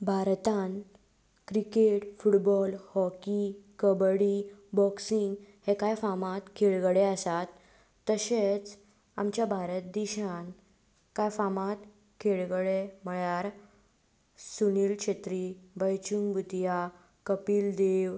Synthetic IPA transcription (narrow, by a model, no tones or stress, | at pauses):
bʱaɾt̪an | kɾikeʈfuʈbɔlhɔkikəbɽibɔksiŋɡhekajfamat̪kʰeɭɡəɽeəsat̪ː | əɕet͡s | a̰mt͡ɕjabʱaɾət̪̚d̪iɕan | kajfamat̪ | kʰeɭɡɽeməɭjaɾ | suniːlkɕet̪ɾibəjt͡ɕuŋɡbʱut̪ja | kəpiːld̪eʋ